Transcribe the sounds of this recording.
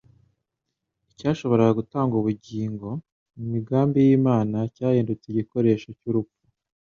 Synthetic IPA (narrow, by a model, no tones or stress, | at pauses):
icaːʃo̞βo̞ɾaɡaɡutaːŋɡuβuɟiːŋɡo̞ | mumiɡaːmbijiːmaːnacaːjeːndut͡seɟiko̞ɾe̞ːʃocuɾupu̥